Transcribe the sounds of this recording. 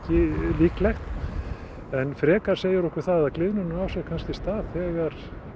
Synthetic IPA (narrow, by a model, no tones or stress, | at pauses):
cɪliːklɛxt̪ | ɛnfɾɛːkaɾ̥seːjɪɾɔhkɪɾ̥θaðaðklɪðnʏnʏawsɛɣkʰanscɪst̪aːðθɛɣaɾ̥